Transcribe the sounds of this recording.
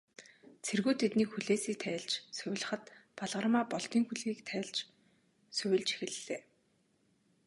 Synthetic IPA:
t͡sʰerɣuːt̪ʰet̪niːkxuɮeːsiːk̚t̪ʰæːɮt͡ɕsɵw̆ʲɮə̆χə̆t̪paɮʁə̆rmaːpɔɮt̪iːŋxuɮɣiːkt̪ʰæːɮt͡ɕ | sɵwʲɪ̆ɮt͡ɕe̥xɘ̆ɮːeː

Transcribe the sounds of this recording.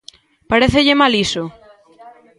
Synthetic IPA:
paɾeθeʎemaliso

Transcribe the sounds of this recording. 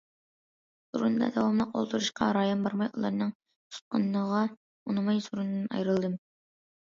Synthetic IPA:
suɾund̪ɑ̰d̪ɛwɑmlˠəqo̰lˠt̪ʰuɾuʃqɑ̰ɾɑːjonbɑɾmɑjṵlˠɑ̰ɾnɨŋ | t̪ʰu̥t̪̚qʰɑnːəʁɑ | unɨmɑjsuɾunɨd̪ɨnɑ̰jɾɨlˠd̪ɨm

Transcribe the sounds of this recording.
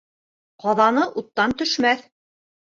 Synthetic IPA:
qɑðɑnɤʔut̪ːɑnt̪ɵ̆ʃmæθ

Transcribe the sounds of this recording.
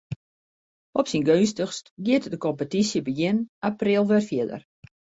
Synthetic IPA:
ɔpsinɡøːstəxstɡɪətdəkɔmpətisjəbəjɪnaprilˠʋɛrfjɪədə̰r

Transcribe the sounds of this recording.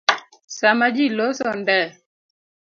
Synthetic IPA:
samad͡ʒilosɔndɛ

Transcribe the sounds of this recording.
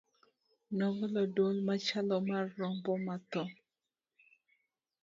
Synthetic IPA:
nɔvɛlɔdolmat͡ʃalɔmarːɔmbɔmat̪ɔ

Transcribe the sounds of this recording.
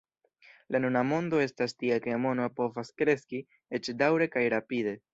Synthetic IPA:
lanunamo̞ndo̞e̞stastiake̞mo̞nopo̞vaskɾe̞ski | e̞t͡ʃdawɾe̞kajɾapide̞

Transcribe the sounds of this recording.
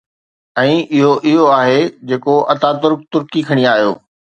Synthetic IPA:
ɛ̃ːɪɦoʔɪɦoaːɦed͡ʑeːkoʔɐt̪aːt̪ʊɾk̚t̪ʊɾkikʰɐɽ̃iaːɦijo̰ː

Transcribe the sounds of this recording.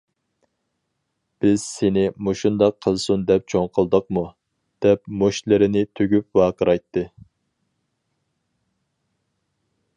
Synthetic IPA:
b̥ɪz̥senɪmoʃund̪ɑqʰːəlˠsund̪ɛp̚t͡ʃʰoŋqʰəlˠd̪əq̚mu | d̪̥ɛpmoʃlɨɾɪnɪt̪ʰøɡʲyp̚wɑːqʰəɾɑjt̪ʰːɨ

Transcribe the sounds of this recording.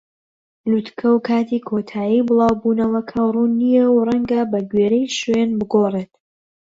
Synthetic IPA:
lut̪kʰɐwkʰaːt̪ʰiːkʰot̪ʰaːjibɨlˠɑːwbuːnɐwɐkʰɐruːnːijɛwrɐŋɡɐbɐɡɥeːɾejʃwenbɨɡoreːt̪

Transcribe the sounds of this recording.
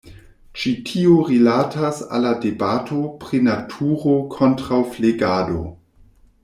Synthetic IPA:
t͡ʃitʰioɾilatasa̰ladebatʰopɾinatʰuɾokʰo̞ntɾawfleɡado̰

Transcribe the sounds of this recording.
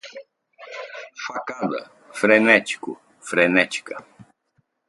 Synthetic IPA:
fakad̪ɐ̰ | fɾenɛt͡ʃ̪i̥kʊ | fɾenɛt͡ʃi̥kɐ

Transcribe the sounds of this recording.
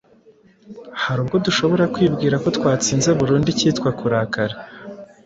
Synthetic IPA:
haɾuːbɡo̞duʃo̞βo̞ɾakwiːbɡiːɾako̞tkwaːt͡siːnze̞βuɾuːndiciːtkwakuɾakaɾa

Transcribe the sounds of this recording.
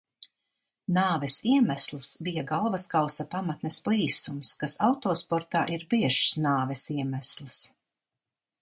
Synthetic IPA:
naːvɛsiɛmæslˠisbijaɡalˠvaskawsapamat̪nɛsplˠiːsumskasawt̪oːspɔɾt̪aːʔiɾbiɛʃsnaːvɛsiɛmæslˠis

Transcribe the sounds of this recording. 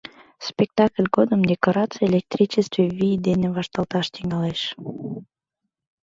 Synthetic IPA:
spʲek̚t̪ɑklʲɡod̪əmd̪ʲekoɾɑt̪t͡sɨelʲek̚t̪rʲit͡ɕest̪vevid̪eneβɑʃt̪ɑlt̪ɑʃt̪iŋɑleʃ

